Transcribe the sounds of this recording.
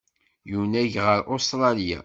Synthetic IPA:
junæʝʁəɾʔost̪ɾˤɑlija̰

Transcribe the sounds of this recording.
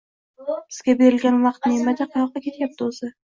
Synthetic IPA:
bɪz̥ɡʲabe̞ɾɪlɡʲanwɑqt̪nemad̪aqʰɑjɑqːɑkʲʰe̞t̪ʰjap̚t̪ɪoz̥ɪ

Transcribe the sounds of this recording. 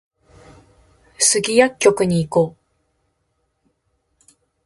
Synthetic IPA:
sɨɡʲijakʲːo̞kɯ̟ɲ̟iːko̞ː

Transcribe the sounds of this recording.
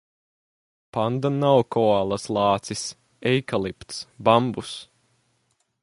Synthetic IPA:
pand̪anawkɔalˠaslˠɑːt̪sis | ɛjkalˠipt̪sbambus

